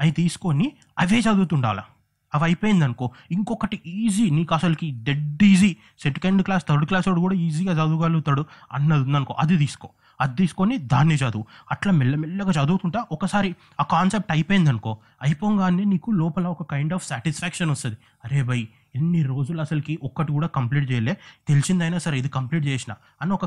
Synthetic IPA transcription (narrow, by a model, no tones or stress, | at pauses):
ɐjit̪iːsu̥ko̞ni | ɐʋe̞ːt͡ʃɐd̪uːt̪uɳɖa̰ːlɐ̰ | ɐʋɐjpoːjind̪ɐnuko̞ːiŋkɔkɐʈiiːziːniːkuɐsɐlɐkiɖ̪eɖiːziː | seɳʈi̥kɐɳɖklaːst̪ʰɐɾɖuklaːsloːɽukuːɽaːiːziːɡaːt͡ʃɐd̪uːɡaluːt̪aːɽuɐ̰nːɐd̪und̪ɐnuko̰ːʔɐd̪it̪iːsu̥koː | ɐd̪t̪iːsu̥konid̪aːnːiːt͡ʃɐd̪uːuɐʈlaːmɛlːɐmɛlːɐɡaːt͡ʃɐd̪uːt̪uɳʈaːʔɔkɐsaːɾi | aːkaːnsep̚ʈɐjpojind̪ɐnuko̞ː | ɐjpoːŋɡaːneːniːkulɔːpɐlɐɔkɐkɐjɳɖaːfʰsaːʈisfʰɛːkʂɐnɐst̪uɐnd̪i | ɐɾe̞ːbɐj | enːiɾo̞ːd͡ʒulɐsɐlɐkiʔɔkːɐʈikuːɽaːkɐmpliːʈ̚t͡ʃɛːjɐleːt̪e̞lisind̪ɐjnaːsɐɾid̪ikɐmpliːʈ̚t͡ʃɛːsina̰ː | ɐniɔkɐ